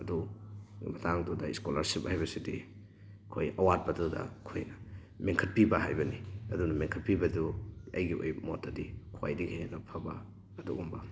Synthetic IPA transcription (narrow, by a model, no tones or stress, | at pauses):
ɐdu | mɐtʰaŋdudɐiskolɐɾsip̚hajβɐsidi | kʰojɐwat̚pɐdudɐ̰kʰoj | meŋkʰɐt̚pibɐha̰jbɐniɐdunɐmeŋkʰɐt̚pibɐduɐ̰jɡio̰jmotːadikʰa̰jdikʰejnɐpʰɐbɐ | ɐdṵɡumbɐ